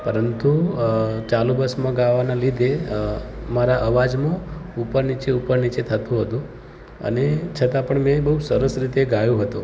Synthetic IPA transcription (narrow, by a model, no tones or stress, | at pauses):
pəɾənt̪u | t͡ʃalubəsmãɡaʋanalid̪ʱe | maɾaʔəʋad͡ʒmãupəɾnit͡ʃeupəɾnit͡ʃet̪ʰət̪ũɦət̪ũ | ə̰net͡ʃʰət̪apəɳmɛ̃bəɦusəɾəsɾit̪eɡajũɦət̪ũ